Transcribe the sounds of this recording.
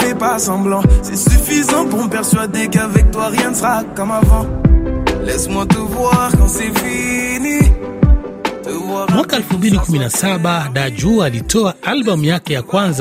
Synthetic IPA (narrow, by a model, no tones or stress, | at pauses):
ɛpasɑ̃blɑ̃sɛsyfizɑ̃puʁməpɛʁsɥad̪ekavɛk̚t̪waʁjɛ̃nəsəʁakɔmavɑ̃ | lɛsmwat̪əvwaʁkɑ̃sɛfini | t̪əvwamwakaɛlfumbilikuminasaɓaɗad͡ʒualitɔaalɓɔm̩jakɛjakwãnza